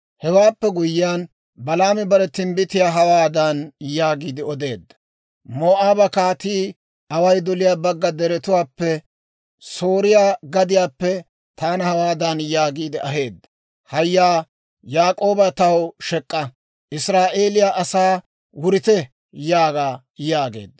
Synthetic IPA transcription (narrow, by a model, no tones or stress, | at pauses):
hɛwaːpːɛɡʊjːɪjaːn | bɐlaːmɪbɐɾɛt̪ːɪmbɪt̪ɪjaːɦɐwaːd̪ɐnjaːɡiːd̪ɪɔd̪e̞ːd̪ːɐ | moːʔaːbɐkaːt̪iː | ɐwɐjd̪ɔlɪjaːbɐɡːɐd̪ɛɾɛt̪ʊwaːpːɛ | soːɾɪjaːɡɐd̪ɪjaːpːɛ | t̪ʰaːnɐhɐwaːd̪ɐnjaːɡiːd̪ɪʔɐɦe̞ːd̪ːɐ | hɐjːaː | jaːkʼo̞ːbɐt̪ɐwʃɛkʼːɐ | ʔɪsɾaːʔeːlɪjaʔɐsaː | wʊɾɪt̪ɛ | jaːɡaː | jaːɡe̞̰ːd̪ːɐ